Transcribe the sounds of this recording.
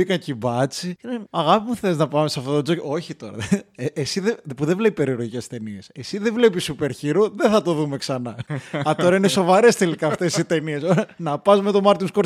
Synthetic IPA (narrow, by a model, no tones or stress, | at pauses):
ikɐɲcibɐt͡sineɐɣɐpimuθeliznɐpɐmesɐft̪ot̪od͡zocoo̞çit̪o̞ɾɐ̰esiðepuðevle̞pipe̞ɾioɾʝice̞st̪e̞niese̞siðevle̞pisupe̞ɾçiɾoðeθɐt̪o̞ðume̞ksɐnɐɐt̪o̞ɾɐineso̞vɐɾe̞st̪e̞likɐːft̪e̞sit̪e̞nie̞soɾɐnɐpɐzmet̪o̞mɐɾt̪inskoɾ